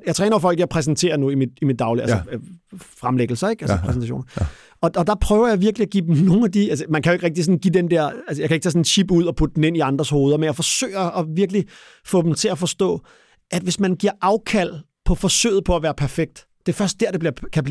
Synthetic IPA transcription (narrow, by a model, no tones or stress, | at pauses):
jɑɪt͡sʰʁɛːnɐfɒ̽l̰ɡ̥jɑ̈ɪpʰʁɛs̬nt͡sʰe̝̰ːɐnuimid̥imid̥ːɑ̈ʊlælsɐ | fʁamleɡ̥l̩sɐeɡ̥ælsəpʰʁɛsnt͡sʰæɕo̰ːnɐ | ɒ̽ɒd̥ɑ̈pʰʁœːʊɐjɑ̈ɪʋiɐɡ̥liæɡ̥ḭːd̥em̩no̝ːn̩æd̥iælsəmænkʰæjoeɡ̥ʁɛɡ̥̚d̥isɔ̽n̩ɡ̥ḭːd̥end̥eɐ̰ælsəjɑaɪkʰæeɡ̥t͡sʰɛːs̬ɔnenɕib̥uð̞̰ˠɒpʰud̥əd̥en̩e̝n̰iɑ̈nd̥ʁɐsho̝ːð̞ˠɐmenjɑ̈ɪfɒ̽sø̰ːɪɐːʋiɐɡ̥li | fɔ̰ːd̥em̩t͡sʰe̝læfɒ̽sd̥ɔ̰̽ː | ʔæd̥ʋe̝smænɡ̥iɐʔɑ̈ʊkʰæl̰pʰɒ̽fɒ̽sø̰ːð̩ˠpʰɒ̽æʋæːɐpʰæɐfeɡ̥̚d̥ | d̥e̝fɶɐsd̥̚d̥eɐd̥eb̥liɐkʰæbli